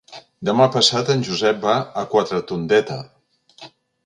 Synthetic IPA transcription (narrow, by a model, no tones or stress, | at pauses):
d̪əmapəsat̪ənʲʒuzɛp̚baəkwat̪ɾət̪und̪ɛt̪ə